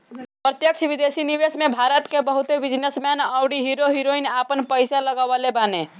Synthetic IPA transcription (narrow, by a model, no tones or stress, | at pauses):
pɾət̪jək̚t͡ʃʰbid̪esiniβesmebʱaɾət̪kebəɦut̪ebid͡ʒnesmɛnəwɽiɦiɾoɦiɾoinapənpəjsaləɡabalebane